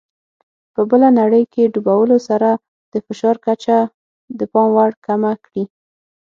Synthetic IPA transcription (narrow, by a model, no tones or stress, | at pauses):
pəbəlanaɽəjkeɖubawəlosaɾa | d̪̥əfɪʃɑɾkat͡ʃa | d̪əpɑmwaɽkamakɽi